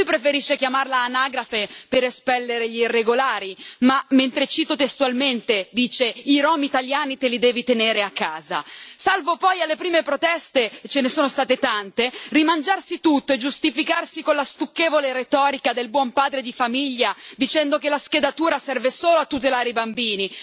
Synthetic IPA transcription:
lujpɾefeɾiʃːek̟jamarlaːnaːɡɾafepeɾespɛlːeɾeʎiirːeɡolaːɾimament̪ɾet͡ʃiːt̪ot̪est̪ualment̪ed̪iːt͡ʃeiɾɔːmit̪aljaːnit̪elid̪ɛːvit̪eneːɾeakʰːaːza̰salvopɔjalːepɾiːmepɾot̪ɛst̪et͡ʃenesoːnost̪aːt̪et̪ant̪erimand͡ʒarsit̪ut̪ːoed͡ʒust̪ifikarsikonlast̪ukːeːvoleɾet̪ɔːɾikad̪elbwɔmpaːd̪ɾed̪ifamiʎːad̪it͡ʃɛnd̪okelasked̪at̪uːɾasɛrvesoːloat̪ːut̪̬elaːɾeibambiːni

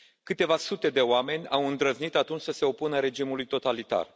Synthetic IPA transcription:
kɨt̪e̞vasut̪e̞d̪e̞oame̞nʲawɨnd̪ɾəznit̪at̪unt͡ʃʲsəse̞o̞punəɾe̞d͡ʒimulujt̪o̞t̪alit̪a̰r

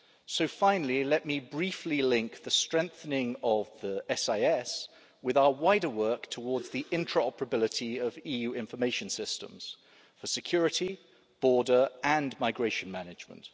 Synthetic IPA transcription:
səʊfãɪ̃nəl̩ilɛʔmibɹiˑflilɪ̃ŋk̚ðəstɹ̥ɛ̃ŋk̚θənɪ̃ŋəvðiɛsaɪɛs | wɪðaʊəwaɪdəwɜˑktʰəwɔːdzðiʔɪ̃ntʰɹəɒpəɹəbɪlɪtʰiəviːjʉːɪ̃ɱfəmeɪʃə̃nsɪstə̰̃mz̥ | fəsɪkʰj̥ɔːɹɪti | b̥ɔːdəɹə̃nmaɪɡɹeɪʃə̃nmanɪd͡ʒmə̰̃nt

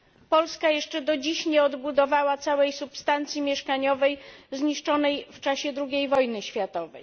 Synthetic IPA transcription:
pɔlskajɛʂt͡ʂɛd̪ɔd͡ʑiɕɲɛɔd̪bud̪ɔvawat̪sawɛjsupst̪ant̪sʲjimʲjɛʂkaɲɔvɛjzɲiʂt͡ʂɔnɛjft͡ʂaɕɛd̪ɾuɡʲejvɔjnɘɕfʲjat̪ɔvɛ̰j

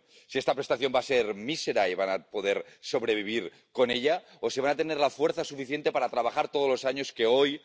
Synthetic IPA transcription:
sie̞st̪apɾe̞st̪aθjo̞mbaseɾmiseɾaiβanapoðeɾso̞βɾe̞β̞iβ̞iɾ | ko̞neʎa | oseβanat̪eneɾlafweɾθasufiθje̞nt̪e̞paɾat̪ɾaβaxaɾt̪oð̞ozlo̞saɲo̞skeoj

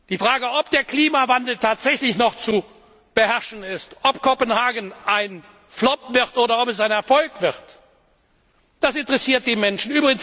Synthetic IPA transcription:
d̥iːfʁ̥aːɡəɔp̚d̥eːɐkl̥iːmavandl̩tʰaːtz̥ɛçlɪçnɔχt͡su | b̥əhɛʁʃn̩ɪstʔɔpkʰɔpənhaːɡən̩ʔaɪn | flɔp̚vɪʁtʔoːɾɐɔpɛs̬aɪnɛɐfɔlkv̥ɪʁt | d̥asɪntəʁɛsiːɐt̚d̥eːmɛnʃn̩yːbʁɪɡəŋ̩s

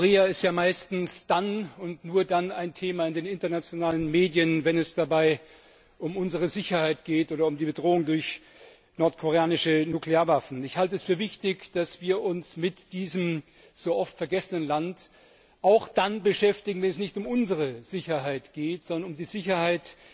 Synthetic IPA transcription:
koʁeːaɪstjaːmaɪstn̩sd̥anʊntnuːɐdanaɪntʰeːmaːɪndeːnɪntɐnat͡sjonaːlənmeːdjənvɛnɛsd̥abaɪ | ʔʊmʔʊnzəʁ̞əzɪçɐhaɪtɡ̥eːtʔoːdɐʊmdiːbədʁoːʊŋdʊɐç | nɔɐtkʰoʁeaːnɪʃənuːkleaːɐvafn̩ɪçhaltəɛsfyːɐvɪçtɪçd̥asv̥iːɐʔʊnsmɪtd̥iːzəm | z̥oːʔɔftfɛɐɡɛsənənlant | ʔaʊxd̥anbəʃɛftɪɡŋ̩vɛnɛs̬nɪçtʊmʔʊnzəʁ̞əz̥ɪçɐɦaɪtɡ̥eːtz̥ɔndɐnʊmdiːzɪçɐhaɪt

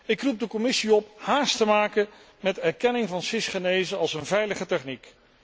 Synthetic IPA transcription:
ɪkrup̚dəkɔmɪsiɔp̚haːstəmaːkə | mɛtɛɹkɛnɪŋvɑnfɪsχənejzəɑlˠsənvɛjləχətɛχnik

